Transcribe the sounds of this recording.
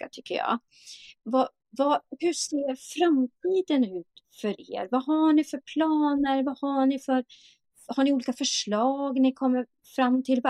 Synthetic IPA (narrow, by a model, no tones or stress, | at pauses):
a̰t̪ʰʏkʰːə̰jɑ̰ː | va | vahɵseːɾfɾamt̪ʰiːd̪ənʉ̟ːt̪fœɾḛːɾvahaɳɪfœɾpʰlɑːnəɾvahaɳɪfœɾ | haɳɪuːliːkafœʂɭɑːɡnɪkʰɔmːəɾ | fɾamːt̪ʰɪlv